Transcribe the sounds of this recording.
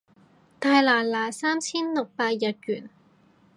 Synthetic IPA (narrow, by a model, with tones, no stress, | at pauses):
t̪aː˧jlaː˨˩laː˨˩saː˥mt͡sʰiː˥nlʊ˨k̚paː˧t̚jɐ˨˧t̚jyː˨˩n